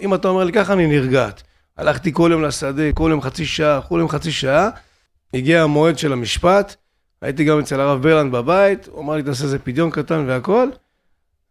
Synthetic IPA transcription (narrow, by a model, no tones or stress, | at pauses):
imat̪ao̞melikaχaniniʁɡat̪ | a̰lʔaχt̪iko̞ljo̞mlasad̪e̞koljo̞mχat͡siʃaakuljomχat͡siʃaa | iɡiamo̞e̞d̪ʃe̞lamiʃpat̪ | a̰jit̪̬iɡamet͡selaʁavbeʁlandbabait̪a̰maʁlit̪̬aːs̬ezepid̪jo̞nkat̪anveako̞l